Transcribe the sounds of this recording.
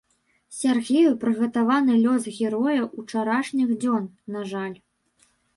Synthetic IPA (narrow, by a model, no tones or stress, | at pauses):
sʲarɣʲejupɾɨɣɐt̪avanɨlʲɔsɣʲɛɾɔjɐʔut͡ʂaɾaʂnʲixd͡zʲɔnnaʐalʲ